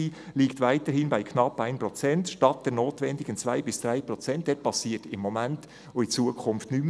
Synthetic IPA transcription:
iːliːktʋaɪtəɾhɪnbaɪkʰnɑpːæɪnprɔt͡sɛntʃtɑt̚d̥ɛɾnoːtʋɛndiɡənt͡sʋajbɪsd̥ɾajpɾɔt͡sɛnt̚dɛt̚pɑsiːətɪmːɔmænt | oit͡suəkʰχʊnftnym

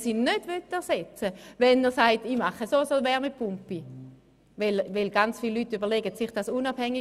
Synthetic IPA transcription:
siːnød̥ʋøtːɛɐʁsɛt͡səʋɛnɛʁsaɪtimaχəsosoʋɛʁmɪpʰʊmpi | ʋɛlʋɪlɡant͡sfiːlːyːtːybəʁlɛɡətsiχd̥asunab̥hɛŋːi

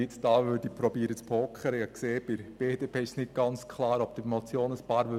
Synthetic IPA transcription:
ɪt͡sd̥ɑːʋøːɾdipɾɔbiːɾət͡spʰoːkχəɾəɑkseːb̥ɪɾb̥eːd̥eːpʰeːɪʃnɪt̚ɡ̥ɑnt͡skχlˠɑːɾɔb̥̚d̥̪əmɔt͡sjoːnəspɑːɾʋø

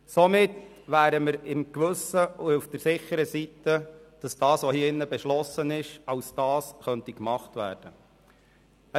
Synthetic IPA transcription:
sɔmɪt | ʋæːɾəməɾɪmkʋɵsəʊufd̥əɾsɪχːəɾəsitəd̥ɑsd̥ɑːsʋohiːɪnːəbɛʃlɔsənɪʃɑwsd̥ɑːsχœntikmɑχtʋæ̰ːɾd̥ə

